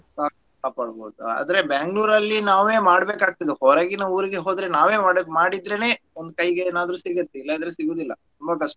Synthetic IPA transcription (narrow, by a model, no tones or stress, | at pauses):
kaː | kaːpaːɽbo̰ːd̪ua̰ːd̪ɐɾebeŋɡɭuːɾɐlːinaːʋe̞ːmaːɽbeːkaːɡ̚t̪id̪ehoːɾaɡinɐuːɾiɡe̞ɦoːd̪ɾe̞naːʋe̞ːmaːɽmaːɽid̪ɾene̞ː | ond̪ukɐjɡeːnaːd̪ɐɾusiɡɐt̪ːeilːɐːd̪ɾesiɡoːd̪ilːɐ̰t̪umbɐkɐʂʈɐ